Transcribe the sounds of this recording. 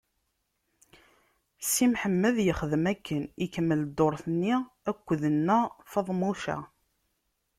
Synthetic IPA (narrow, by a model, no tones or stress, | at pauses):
simħəmːəðjəχəðəmækːənikəmːəld̪oɾˤθənːi | ækʷːəðənːæfɑðˤmuʃæ̰